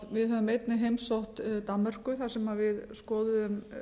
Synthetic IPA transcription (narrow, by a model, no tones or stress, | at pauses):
vɪðɦœvʏmejt̪nɪɦejmsowht̪t̪anːar̥kʏθḁsɛmavɪðskɔːðʏðʏm